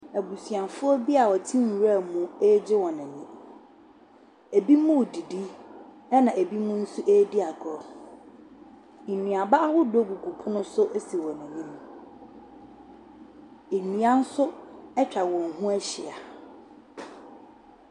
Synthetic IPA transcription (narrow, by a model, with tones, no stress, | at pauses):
æ˨bu˨sɥã˨nfʊ˦ɔ˦bi˦a˨wɔ˨tʰĩ˦˨ɾa˦˨mũ˦ɛ˦d͡ʑɪ˦wɔ˨nɪ̃˨nĩ˦ | e˨bi˦mũ˦˨di˨di˦ | ɛ˦nã˨ʔe˨bi˦mʊ̃˦n̩˦su˦ʔe˦dɪ˦a˨ɡɔ˦ | e˨nĩ˨a˨ba˦a˦hʊ˦do˦ɡu˨ɡʰu˨pʰʊ˦nʊ̃˦sʊ˦ʔsi˨wɔ˨nɪ̃˨nĩ˦m˨ | e˨nĩ˨ã˦n̩˦sʊ˦ɛ˦t͡ɕᶣa˨wɔ̃˨ŋ̩˨ɦũ˦æ˦ɕɪ̰˨a˨